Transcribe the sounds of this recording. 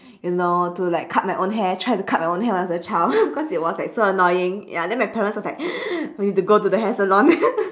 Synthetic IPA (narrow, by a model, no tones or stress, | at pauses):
junotulaɪkʰːat̚maɪʔõnɦɛtʰɹ̥aɪtukʰat̚maɪõnɦɛwãnɔət͡ʃaɪlbikʰɔsit̚wɔslaɪksoənɔɪɪ̃ŋjadɛ̃nmaɪpʰɛɹə̃nswɔslaɪk̚junid̚tuɡotudəɦɛsəlɔ̃ŋ